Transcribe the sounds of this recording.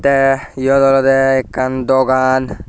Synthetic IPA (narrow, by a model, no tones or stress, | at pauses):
t̪ɛjɔd̪ɔlɔd̪ɛɛkːand̪ɔɡan